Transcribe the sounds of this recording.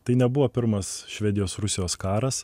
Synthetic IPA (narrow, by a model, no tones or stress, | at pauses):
t̪ɐɪnʲɛbʊʋoːpʲɪɾmɐsʃʲʋʲɛd̪ʲɪjoːsɾʊsʲɪjoːskɑːɾɐs